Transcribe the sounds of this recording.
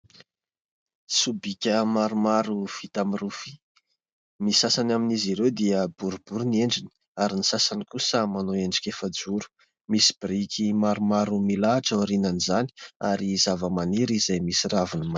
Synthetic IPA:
subikʲəmaɾumaɾufit̪amirufi̥ | misasanaminiziɾewd̪iəbuɾubuɾunieɳɖ͡ʐini̥ | aɾinisasanikusəmanoeɳɖ͡ʐi̥kʲefəd͡zuɾu̥ | misi̥b̥ɾikʲʰimaɾumaɾumilaːʈ͡ʂəɾinanizaniaɾizavəmaniɾizajmisiravinima

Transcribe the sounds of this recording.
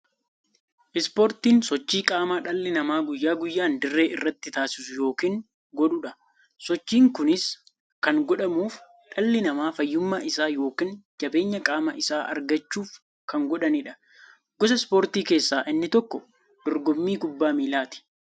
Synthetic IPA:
ʔɪspoːɾt̪iːnsɔt͡ʃːiːkʼaːmaːᶑɐlːɪnɐmaːɡʊjːaːɡʊjːaːnd̪ɪrːe̞ːʔɪrːɐt̪ːɪt̪aːsɪ̥sʊjo̞ːkiːŋ | ɡɔᶑʊᶑɐ | sɔt͡ʃːiːŋkʊnɪs | kɐŋɡɔᶑɐmuːf | ᶑɐlːɪnɐmaːfɐjːʊmːaːɪsaːjo̞ːkiːnd͡ʒɐbe̞ːɲːɐkʼaːmɐʔɪsaːʔɐ̰ɾɡɐt͡ʃːuːf | kɐŋɡɔᶑɐnɪᶑɐ̥ | ɡ̥ɔs̬ɐspoːɾt̪iːke̞ːsːaːʔɪnːɪt̪ɔkːɔ | d̪̥ɔɾɡɔmːiːɡʊbːaːmiːlaːt̪ɪ̥

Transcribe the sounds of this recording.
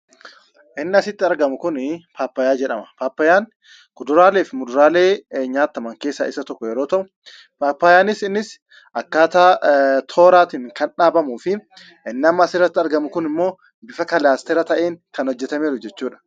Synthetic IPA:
ʔɪnːɪɐsɪt̪ːɪɐɾɡɐmʊkʊnpʰaːpːɐjaːd͡ʒɛᶑɐmɐ̥paːpːɐjaːn | kʊd̪ʊɾaːleːfɪmʊd̪ʊɾaːle̞ːɲaːt̪ːɐmɐŋkeːsːɐʔɪsɐt̪ɔkːɔjɛɾo̞ːt̪ɐʔʊ̥ | paːpːɐːjaːnɪsɪnːɪs | ʔɐkːaːt̪aːt̪ʰo̞ːɾaːt̪iŋkɐnᶑaːbɐmuːfɪ | ʔɪnːɪɐmːɐːsɪrːɐt̪ːɪɐɾɡɐmʊkʊnɪmːo̞ː | bɪfɐkɐlaːst̪ɛɾɐt̪ɐʔeːŋkɐnhɔd͡ʒːɛt̪ɐmeːɾʊd͡ʒɛt͡ʃːuːᶑɐ̥

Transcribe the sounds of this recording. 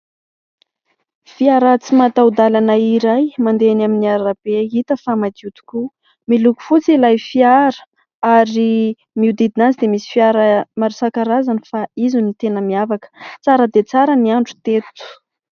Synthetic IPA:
fiaɾat͡simat̪awd̪alanəiɾajmand̪eanaminiaɾɾab̥eit̪əfamad̪ut̪u̥ku | miluku̥fut͡silajfiaɾə̥ | aɾi | miud̪id̪inat͡sid̪emisi̥fiaɾəmaɾusakaɾazanifaizunit̪enəmiavakə̥t͡saɾəd̪et͡saɾəniaɳɖ͡ʐu̥t̪et̪u̥

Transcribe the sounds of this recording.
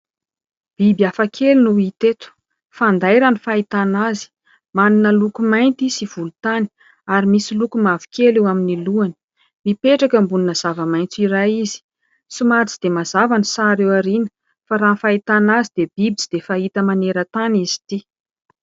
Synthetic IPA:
b̥ibjafakʰelunuit̪et̪u̥ | fand̪ajɾanifait̪anazi̥ | maninəlukumajnt̪isiv̥ulut̪ani̥ | aɾimisilukumavi̥kʰʲelewaminiluani̥ | mipeʈ͡ʂakəmbuninəz̥avəmajnt͡siɾaizi̥ | simaɾt͡sid̪emazavanisaɾewaɾinə̥ | faɾanfait̪anazid̪ebibit͡sid̪̥efaɦit̪əmaneɾət̪anizi̥t̪i

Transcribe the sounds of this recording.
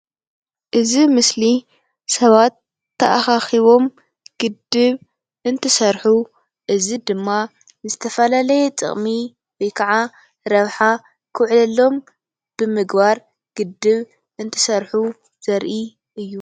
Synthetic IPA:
ʔɨzimɨsli | sɐβat̪ʰː | ɐʔaxaxiβo̞m | ɡ̥ɨd̪ɨβ | ʔɨnt̪ʰɨsɐɾħu | ʔɨzid̪ɨmːa | zɨt̪ʰɐfɐlalɐjɛt͡sʼɨ̰χʼmi | wojkʰɐʕa | ɾɐβħa | kʰɨʕlɐlːo̞m | b̥ɨmɨɡbaɾ | ɡ̥ɨd̪ːɨβ | ʔɨnt̪ʰɨ̥sɐɾħu | z̥ɐɾʔi | ʔɨjːu

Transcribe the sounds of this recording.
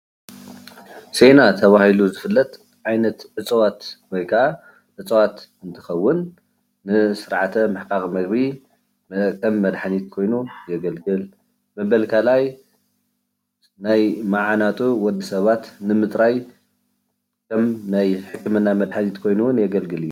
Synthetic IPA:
se̞nat̪ʰɐβahiluzɨfɨlːɐt̪ | ʕajnɐt̪ʕɨt͡sʼwat̪wɔjkʰaʕa | ʕɨt͡sʼɐwat̪ɨnt̪ʰɨ̥xɐwːʊnː | ɨsɨɾʕat̪ʰɐmɨħkʼakʼmɐɡbi | kʰɐmːɐd̪ħanit̪̚kʰo̞jnujɛɡɐlɡɨl | mɐβɐlkʰalaj | najmaʕanat̪ʼuwɔd̪ːisɐβat̪nɨmɨt̪ʼɾaj | kʰɐmnajħɨkːɨmɨnːamɐd̪ħanit̪kʰo̞jnuwnjɛɡɐlɡɨlɨjːu

